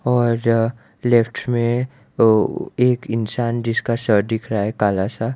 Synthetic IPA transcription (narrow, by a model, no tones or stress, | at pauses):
ɔːɾ | lepʰʈʰmẽ | eːkɪnsaːnd͡ʒɪskasəɾd̪ɪkʰɾaɦɛkaːlasa